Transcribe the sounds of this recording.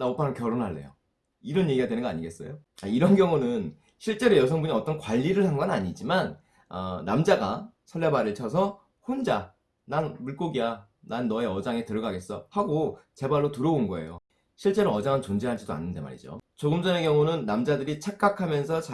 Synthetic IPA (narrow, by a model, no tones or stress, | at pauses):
naopʰanɯnkjʌɾonɦaɭːe̞̰jo̰ | iɾʌnje̞ɡiɡadwenɯnɡʌa̰ɲiɡe̞s͈ʌ̰joaiɾʌnɡjʌŋunɯn | ɕʰiɭt͡ɕ͈e̞ɾojʌsʰʌŋbuɲiʌt͈ʌnkwaʎːiɾɯɭɦanɡʌnaɲid͡ʑiman | ʌnamd͡ʑaɡa̰ | sʰʌɭːebaɾiɭt͡ɕʰʌs̬ʰʌ | hond͡ʑa | nanmuɭk͈oɡija | nanːʌe̞ʌd͡ʑaŋe̞tɯɾʌɡaɡe̞s͈ʌhaɡot͡ɕe̞baɭːotɯɾʌonɡʌe̞̰jo̰ | ɕʰiɭt͡ɕ͈e̞ɾoʌd͡ʑaŋɯnt͡ɕond͡ʑeɦad͡ʑidoa̰nːɯnde̞ma̰ɾḭd͡ʑo̰t͡ɕoɡɯmd͡ʑʌnekjʌŋunɯnːamd͡ʑadɯɾit͡ɕʰak̚k͈akʰamjʌnsʰʌt͡ɕa